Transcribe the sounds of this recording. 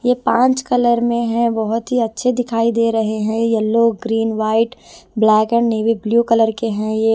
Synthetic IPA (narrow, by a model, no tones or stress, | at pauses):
jepãːɲt͡ʃkɐləɾmẽɦɛ̃bɐɦʊt̪ɦiɐtːʃʰed̪ɪkʰaːid̪eːɾɐɦeɦɛ̃jeloːɡɡɾiːnʋaːɪʈblɛːkɛ̃ɳɖneːʋibljuːkɐləɾkeɦɛ̃je